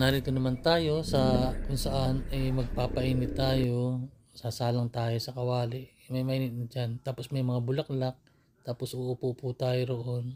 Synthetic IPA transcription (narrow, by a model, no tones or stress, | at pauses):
naːɾɪkonɐmant̪aːjo̞sɐkʊŋsɐʔanɛmɐɡ̚paːpɐʔiːnɪt̪ːaːjo̞ | sɐsaːlɐŋt̪aːjo̞sɐkɐwaːlɪʔ | mɐjmɐʔiːnɪt̪̚nɐd͡ʒant̪aːpo̞smɐjmɐŋabʊlaklak̚ | t̪aːpo̞sʔʊʔʊpuput̪aːjoɾoʔo̞n